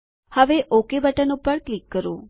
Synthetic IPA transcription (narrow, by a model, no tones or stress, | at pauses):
həʋeʔokebəʈənupəɾklikːəɾõ